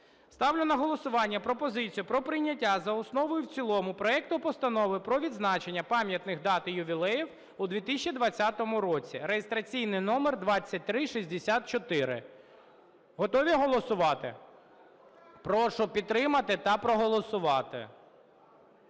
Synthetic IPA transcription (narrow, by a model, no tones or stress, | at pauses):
st̪ɑwlʲɪnɐɦɔlˠɔsʊʋɑnʲːɐpɾɔpɔzɪt͡sʲijʊpɾɔpɾɪjnʲːɐtʲːazɐɔsnɔʋɔjʊwt͡sʲilˠɔmʊpɾɔɛk̚t̪ʊpɔst̪ɐnɔʋɪpɾɔʋʲid̪znɑt͡ʃe̞nʲːɐpɑmʲjɐt̪nɪxd̪ɑt̪ɪjʊʋʲilˠɛjiw | ud̪ʋʲit̪ɪsʲt͡ʃid̪ʋɐt͡sʲːat̪ɔmʊɾɔt͡sʲiɾejest̪ɾɐt͡sʲijnɪjnɔmerd̪ʋɑt͡sʲːɐt̚ʲt̪ɾɪʃizʲd̪esʲat̪̚t͡ʃɔt̪ɪɾɪ̰ | ɦɔt̪ɔʋʲiɦɔlˠɔsʊʋɑt̪ɪ̰ | pɾɔʃɔpʲid̪t̪t̪ːɾɪmɐt̪ɪt̪ɐpɾɔɦɔlˠɔsʊʋɑt̪ɪ̰